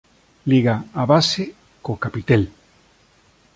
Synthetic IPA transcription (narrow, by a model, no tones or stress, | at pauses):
liɣaaβase | kokapit̪el